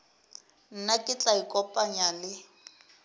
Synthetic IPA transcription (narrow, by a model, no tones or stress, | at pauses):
n̩nakʼɪt͡ɬʼaikʼɔpʼaɲalɪ